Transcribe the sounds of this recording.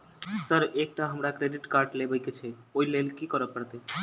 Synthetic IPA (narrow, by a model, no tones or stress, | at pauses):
səɾek̚ʈaɦəmɾakɾeɖiʈkaɾɖlebəjket͡ʃʰeoilelkikɔɾəpəɾt̪e